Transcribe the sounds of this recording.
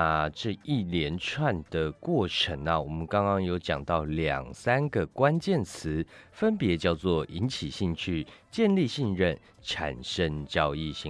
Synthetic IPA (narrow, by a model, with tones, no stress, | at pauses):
ʈ͡ʂɤ˥˧i˥˩ljɛ˧˦nʈ͡ʂʰwa˥˨nd̪̥ə˩kwɔ˥˩ʈ͡ʂʰə˨˦ŋnə˨wɔ˨˩mə˦nkɑ˥ŋkɑ˥ŋjo˧˥ʊt͡ɕjɑ̰˨˩ŋt̪ɑ˥˩ʊljɑ̰˨˩ŋsa˥nɡə˨kwa˦˥nt͡ɕjɛ˥˨nt͡s̩ʰ˨˦fə˦npjɛ˨˦t͡ɕjɑ˥˧ʊt͡swɔ˥˩ʔi˧˦nt͡ɕʰi˨˩ɕi˥˧ŋt͡ɕʰy˥˧t͡ɕjɛ˥˧nli˥˧ɕi˥˧ŋɻə˥˨n | ʈ͡ʂʰa̰˨˩nʂə˦˥ŋt͡ɕjɑ˦ʊi˥˨ɕi˥˨ŋ